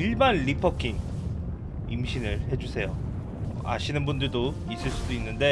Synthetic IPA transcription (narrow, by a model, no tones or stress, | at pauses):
iɭbanɭipʰʌkʰin | imɕʰinɯɭhe̞d͡ʑusʰe̞jo | ʌ̰a̰ɕʰinɯnbundɯɭdo | is͈ɯɭs͈udoinːɯnde̞